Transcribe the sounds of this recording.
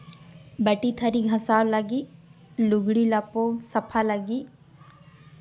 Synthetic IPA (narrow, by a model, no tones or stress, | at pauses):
bəʈit̪ʰɐɾiɡʱɐ̃saːwləɡi | lʊɡɽilɐposɐpʰaləɡiː